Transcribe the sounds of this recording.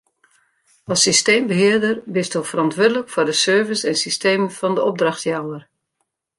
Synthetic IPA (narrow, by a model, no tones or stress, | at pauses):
ɑsisteːmbəɦɪərdərbɪstofərɑntʋʊdələkfʊrdəsøːɹvəsɛnsisteːmənfɑndəɔb̚drɑxtjawər